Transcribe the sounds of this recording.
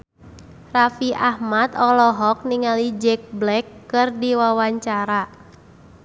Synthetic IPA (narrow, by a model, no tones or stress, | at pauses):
rafiʔahmat̪ɔlɔɦɔk̚niŋalid͡ʒɛk̚blɛkːɨrdiwawaɲt͡ʃaɾa